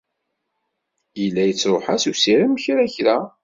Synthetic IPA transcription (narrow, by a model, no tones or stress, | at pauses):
jəlːæjət͡sːɾˤoħasusiɾiməçɾæçɾæ